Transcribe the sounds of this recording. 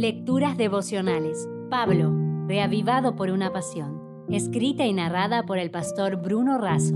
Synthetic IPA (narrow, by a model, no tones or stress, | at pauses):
lek̚t̪uɾazðeβo̞sjo̞nales | paβloreaβiβaðopo̞ɾunapasjo̞n | eskɾit̪ainaraðapo̞ɾe̞lpast̪oɾbɾuno̞raso